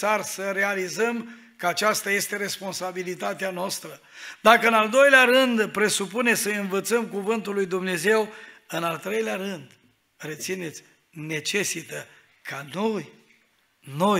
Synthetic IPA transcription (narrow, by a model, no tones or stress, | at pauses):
sarsəɾe̞alizəm | kəat͡ʃast̪aje̞st̪e̞ɾe̞spo̞nsabilit̪at̪eanoast̪ɾə | d̪akəɨnald̪o̞jleaɾɨnd̪pɾe̞supune̞səjɨnvət̪səmkuvɨnt̪ulːujd̪umne̞ze̞wɨnalt̪ɾe̞jleaɾɨnd̪ | ret̪sine̞t̪sʲ | ne̞t͡ʃe̞sit̪ə | kʰano̞j | no̞